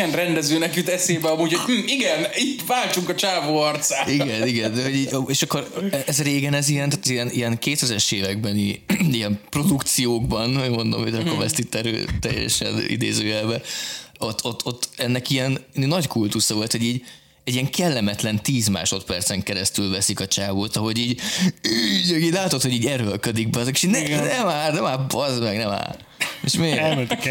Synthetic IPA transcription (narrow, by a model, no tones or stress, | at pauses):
ɛnrɛnd̪ɛzøːnɛkyt̪ɛseːbɛɒmuːchokyliɡɛnit̪ːvaːlt͡ʃuŋkɒt͡ʃaːvoːɒrt̪saːiɡɛniɡɛnd̪ɛɦo̞ɟiːɟeʃɒkːoɾɛɛzreːɡɛnɛzijɛnt̪at̪ɛzijɛnijɛnkeːt̪ːɛzɛʃeːvɛɡ̚bɛniijɛmpro̞d̪ukt̪sijoːɡbɒnomo̞nd̪omid̪ɾɛkomɛ̰st̪it̪ːɛɾø̰ːt̪ɛ̰jːɛ̰ʃɛ̰nḭd̪ḛːzøːɛlbɛot̪ʰːot̪ʰːo̞t̪ʰːɛnːɛkijɛnnːɒckult̪usɒvo̞lt̪ho̞ɟiːɟ | ɛɟijɛŋkʰɛlːɛmɛt̪lɛnt̪iːzma̰ːʃo̞t̪pɛrt̪sɛŋkɛɾɛst̪ylvɛsikɒt͡ʃaːvoːt̪ɒɦo̞ɟiːɟ | iojiːɟlaːt̪o̞t̪hoɟiːɟɛɾølkød̪iɡ̚bɛɒzoke̥ʃinɛnɛmaːrnɛmaːbɒzmɛɡnɛma̰ːr | eʃmet̪